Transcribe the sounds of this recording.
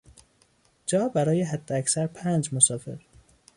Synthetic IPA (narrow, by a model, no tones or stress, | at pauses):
d͡ʒɒːbæɾɒːjeɦæd̪ːeæksæɾpʰæːnd͡ʒmosɒːfḛɾ